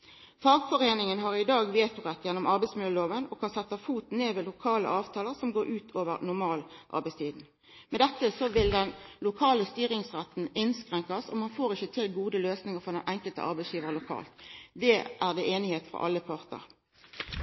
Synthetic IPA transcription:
fɑːɡfɔʁeːnɪŋənɦɑʁɪd̪ɑːɡʋeːt̪ʊʁɛt̪ːjɛnːɔmɑʁbɛɪsmʏləloːʋənɔkʰɑnsɛt̪ːɑfuːt̪neːʋɛlʊkʰɑːlə̰ʔɑːʋt̪ʰɑːləʁsɔmɡoːɾʉːt̪ʰoːʋə̰ʁnʊʁmɑːlʔɑ̰ʁbɛɪst̪ʰiːd̪n̩ | mɛd̪ɛt̪ːəsɔʋɪld̪ɛnlʊkʰɑːləst̪yːʁɪŋsʁæt̪n̩ɪnskʁɛŋkɑsɔmɑnfoːʁɪçət̪ʰɪlɡuːd̪əløːsnɪŋəʁfɔd̪ɛnʔɛŋkəlt̪ə̰ʔɑ̰ʁbæɪsjiːʋəʁlʊkʰɑ̰ːlt̪d̪ɛːʔæːʁd̪eːʔeːnɪheːt̪fʁɔ̰ʔɑ̰lːəpʰɑʁt̪ə̰ʁ

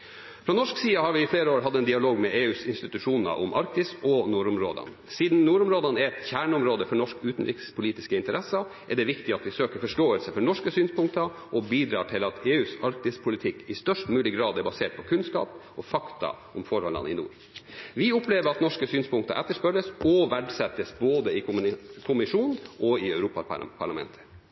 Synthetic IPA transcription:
fɾɔːnɔʂksiːɑhɑɾʋɪɪfleːɾəoːɾɦɑd̪ːɛnd̪ɪɑloːɡmɛʔeːʉːsɪnst̪ɪt̪ʉʂuːnə̰ʔʊ̰mʔɑɾk̚t̪ɪsɔnuːɾʊmɾo̰ːd̪ɑ̰n | siːd̪n̩nuːɾʊmɾoːd̪ɑnɛɾɛt̪çæːɳʊmɾoːd̪əfɔɳɔʂkʉːt̪n̩ɾɪkspʰʊliːt̪ɪskəɪnt̪əɾʔɛsɑ | ʔɛɖɛʋɪkt̪ɪɑt̪ʋɪsøːkəɾfɔʂʈoːəlsəfɔɳɔʂkəsyːnspʊŋkt̪ɑ | ʔɔbiːd̪ɾɑ̰ːʈʰɪlɑt̪eːʉːsɑɾkt̪ɪspʰʊlɪt̪ʰɪkːɪst̪œʂʈmʉːlɪɡɾɑːd̪ɛɾbɑseːʈ̚pʰɔkʰʉnskɑ̰ːpɔfɑkt̪ʰɑ̰ | ʊmfɔɾhɔ̰lɑ̰nɪ̰nṵːɾ | ʋɪʊpleːʋəɾɑt̪nɔʂkəsyːnspʊŋkt̪ɑ̰ʔɛt̪ːəʂpœɾəsɔʋæɖsɛt̪ːəsboːd̪əɪkʰʊmɪʂuːnʔɔɪœʉɾuːpɑ̰pʰɑɭɑmɛ̰nt̪ʰə̥

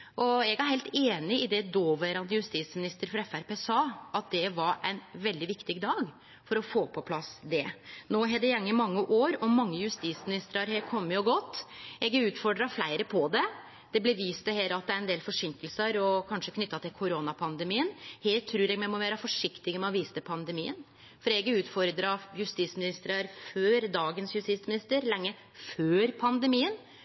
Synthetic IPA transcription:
ʔɔɛɡæɾhɛɪlt̪eːnɪɪd̪ɛd̪oːʋæɾɑnd̪əjʉst̪iːsmɪnɪst̪əɾfɔɾɛfæɾpeːsɑːʔɑt̪̚d̪ɛʋɑɾæɪnʋɛld̪ɪʋɪkt̪ɪɡd̪ɑːɡ | fɔɾɔfoːpʰɔpʰlɑsd̪ɛnoːɦɛd̪ɛjɛŋːəmɑŋːəʔoːɾɔmɑŋːəjʉst̪iːsmɪnɪst̪ɾɑɾheːɾkʰɔmːəɔɡɔt̪ːɛɡɛʉːt̪fɔɖɾɑflæɪɾəpʰɔd̪ɛ | d̪̥ɛblɛɾʋiːst̪əheːləɑt̪̚d̪ɛæɾɛnd̪eːlfɔʂʏŋkəlsəɾɔkʰɑnʂəkʰnʏt̪ːɑt̪ʰɪlkʰʊɾoːnɑpʰɑnd̪əmiːənheːlt̪ʰːɾʉːɾɛɡmɛmɔʋæːɾəfɔʂɪkt̪ɪɡəmɛɔʋiːst̪əpʰɑnd̪əmiːən | fɔɾɛɡʉːt̪fɔɾd̪ɾɑjʉst̪iːsmɪnɪst̪ɾɑɾføːɾd̪ɑːɡənsjʉst̪iːt̪smɪnɪst̪əɾlɛŋːə | føːɾpʰɑnd̪əmiːən

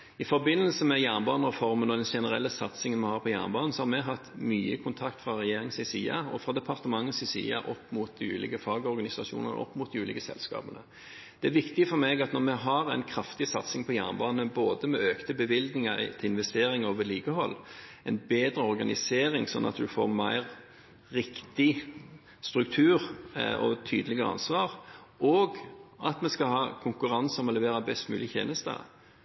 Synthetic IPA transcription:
ɪfɔɾbɪnːəlsəmɛjæːʁnbɑːnəʁɛfɔɾmənɔd̪ɛnʂɛnəɾɛ̰lːəsɑt̪sɪŋənmɛhɑːʁpʰɔjæ̰ːʁnbɑːnnsɔhɑɾmɛɦɑt̪ːmyːəkʰʊnt̪ʰɑkt̪fɾɑʁɛjeːɾɪŋsɪsḭːɑ̰ɔfɾɑd̪ɛpʰɑʁt̪əmɑŋːəsɪsḭːɑ̰ʔɔpːmuːt̪̚d̪iʉ̰ːlɪ̰ɡəfɑːɡəɔɾɡɑnɪsɑʂṵːnən̰ʔɔ̰pːmuːt̪̚d̪iʉːlɪɡəsɛ̰lskɑ̰ːbənə̰ | d̪̥ɛæɾʋɪkt̪ɪəfɔɾmɛɡɑt̪nɔʁmɛɦɑɾæɪnkʰɾɑft̪ɪsɑt̪sɪŋpʰɔjæ̰ːnbɑːnəboːd̪əmɛøːkt̪əbəʋɪld̪nɪŋɑt̪ʰɪɪnʋɛst̪eːɾɪŋoːʋəliːɡəɦɔlː | ɛnbeːd̪ɾəɔɾɡɑnɪseːɾɪŋsɔnːʔɑ̰t̪d̪ʉfo̰ːɾmæɪɾː | ɪkt̪ɪ | st̪ɾʉk̚t̪ʰʉːɾɔ̰t̪ʰyːd̪əlɪɡəɾəɑ̰nsʋɑːʁ | ɔːɡɑt̪mɛskɑhɑːkʰʊŋkʉɾɑnsɔmɔlɛʋeːɾɑbɛst̪mʉ̰ːlɪç̪ʰḛːnəst̪ə̰

